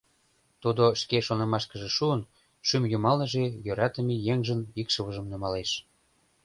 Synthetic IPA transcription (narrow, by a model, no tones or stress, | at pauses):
t̪ud̪oʃkeʃonɑmɑʃkə̆ʒĕʃuən | ʃymjumɑlnə̆ʒejøɾɑt̪ə̆mejeŋʒənikʃə̆βəʒə̆mnə̆mɑleʃ